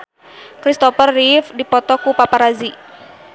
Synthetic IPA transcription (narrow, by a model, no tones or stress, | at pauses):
kɾist̪ɔfərːifdipɔt̪ɔkupapaɾazi